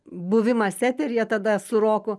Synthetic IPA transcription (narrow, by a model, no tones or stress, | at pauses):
bʊʋʲɪmɐsʲæːpʲeɾʲjiɛt̪ɐd̪ɐsʊɾoːkʊ